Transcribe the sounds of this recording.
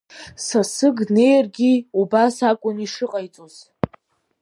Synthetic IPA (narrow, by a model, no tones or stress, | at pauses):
sasɨɡne̞jrɡʲiubasakʷʼʊniʂɨqʼajt͡sʼoz̥